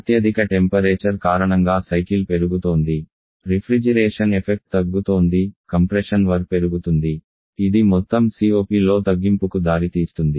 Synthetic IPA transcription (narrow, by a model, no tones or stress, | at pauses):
ɐt̪jɐd̪ʱikɐʈempɐɾeːt͡ʃɐɾkaːɾɐɳɐŋɡaːsɐjkilpe̞ɾuɡut̪o̞ːnd̪i | ɾipʰɾid͡ʒɐɾeːʂɐnepʰek̚ʈ̚t̪ɐɡːut̪oːnd̪ikɐmpɾeʂɐnʋɐɾpe̞ɾuɡut̪und̪i | id̪imɔt̪ːɐmsiːo̞ːpiːlo̞ːt̪ɐɡːimpukud̪aːɾit̪iːst̪und̪i